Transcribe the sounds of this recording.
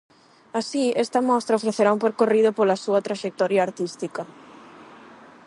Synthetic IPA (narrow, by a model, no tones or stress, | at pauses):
asiɛst̪ɐmɔst̪ɾɐofɾeθeɾaũmpeɾkorið̞ʊpolɐsuɐt̪ɾaʃek̚t̪ɔɾjaːɾt̪ist̪ikɐ